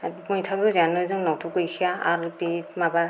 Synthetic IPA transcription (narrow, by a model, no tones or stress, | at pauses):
mɯjtʰaɡɯzanɯjzɯŋnawtʰɔkɯjkʰijaaɾpimaba